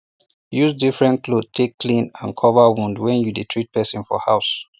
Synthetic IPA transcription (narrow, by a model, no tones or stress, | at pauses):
juzdifɹɛ̃nkʰlod̚tʰekːlĩnãnkʰɔvawũndwɛ̃njuditʰɹit̚pɛsĩnfɔ̰haʊs